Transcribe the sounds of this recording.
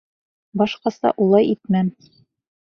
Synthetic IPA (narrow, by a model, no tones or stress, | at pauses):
bɒʃqɑsɑ̰ʔulˠɑjit̪mæm